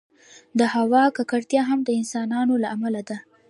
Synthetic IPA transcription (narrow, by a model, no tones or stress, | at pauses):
d̪əhawɑkakaɽt̪jɑɦamd̪əɪnsɑnɑnolaʔamalad̪a